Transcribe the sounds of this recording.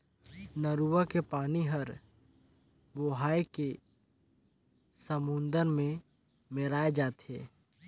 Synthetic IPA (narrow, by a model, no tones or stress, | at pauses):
nəɾuwakepaːniɦəɾ | boɦaːeke | səmʊ̃nd̪əɾmẽ | meɾaːed͡ʒaːt̪ɦɛ̰ː